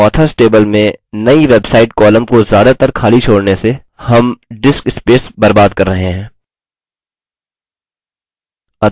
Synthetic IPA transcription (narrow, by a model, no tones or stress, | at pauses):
ɔːt̪ʰəsʈeːbəlmẽnɐiʋeːbsaːɪʈkɔːlə̃mkozjaːd̪at̪ɐɾkʰaːlit͡ʃʰoːɽnese | hɐmɖɪskɪspeːsbɐɾbaːd̪kɐɾːɐɦeɦɛ̃ː | ɐ